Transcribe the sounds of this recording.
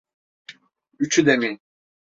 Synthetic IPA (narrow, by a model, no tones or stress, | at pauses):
yt͡ʃʰyd̪emi